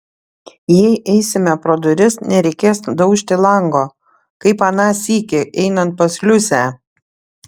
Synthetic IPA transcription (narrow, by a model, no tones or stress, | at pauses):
jɛɪʔɛɪsʲɪmʲɛpɾoːd̪ʊɾʲɪsnʲɛɾʲɛɪkʲeːsd̪ɐʊʃʲt̪ʲɪlˠɐŋɡoː | kɐɪpɐnɑːsʲiːkʲɪʔɛɪnɐnt̪̚pɐsʲlʲʊsʲæˑ